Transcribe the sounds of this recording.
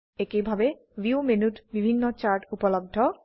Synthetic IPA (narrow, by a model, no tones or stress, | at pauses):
ekebʱabe | vjumenutbibʱinːɔt͡ɕaɹʈupɔlɔb̚d̪ʱɔ